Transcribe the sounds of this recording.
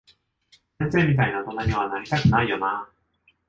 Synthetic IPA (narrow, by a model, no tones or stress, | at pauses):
sẽnse̞ːmʲit̪̬ainat̪o̞naɲiβ̞anaɾʲit̪akɯ̟naijo̞na